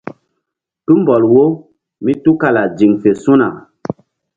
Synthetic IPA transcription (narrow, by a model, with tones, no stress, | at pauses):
tu˦mbɔ˨lwo˦ | mi˦tu˦ka˦la˨d͡ʒi˨ŋfe˨su˦na̰˨